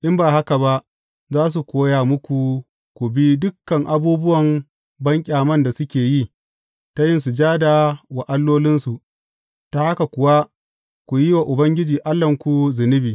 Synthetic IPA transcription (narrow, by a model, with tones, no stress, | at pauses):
ʔɪ˦mbaː˨ha˦ka˨ba˦ʔ | zaː˦s̬u˨kʷoː˦jaː˨mʊ˦kʷu˨ | kʷu˨bi˦dʊ˦kːɐ˨ŋʔa˨buː˦bʊ˦wɐ˨m | bɐ˦ŋkʲʼaː˨mɐ˦nda˨sʊ˦kʲeː˨ji˦ | ta˦jɪ˦nsu˨d͡ʒaː˦da˨wa˨ʔa˦lːoː˦lɪ˦nsu˨ʔ | ta˨ha˦ka˨kʷʊ˨wa˦ | kʷu˨ji˦wa˨ʔʊ˨bɐ˦ŋɡʲɪ˦d͡ʒiː˨ʔa˦lːɐ˨ŋkʷu˨zɪ˨nɪ˦biː˨